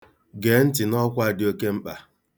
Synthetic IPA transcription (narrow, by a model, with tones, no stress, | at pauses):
ɡeː˨˦n̩˦tɪ˨nɔ˦kʷa˦˨dɪ˦o˦ke˦m̩˦k͡pa˨